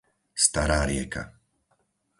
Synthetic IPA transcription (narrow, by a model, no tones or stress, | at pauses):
st̪aɾaːɾɪɛka̰